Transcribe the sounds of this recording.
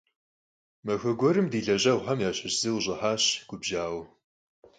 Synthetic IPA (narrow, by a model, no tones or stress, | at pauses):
mɐxɐɡʷɔɾɨmdiːɮɐʑɐʁʷħamjaːɕɐɕz̥iwʑʼɪħaːɕɡ̥ʷʊbʒaːw